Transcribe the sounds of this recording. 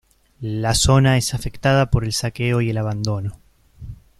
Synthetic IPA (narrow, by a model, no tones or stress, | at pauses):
laso̞naesafe̞kt̪að̞apo̞ɾe̞lsakeo̞ie̞laβ̞and̪o̞no̞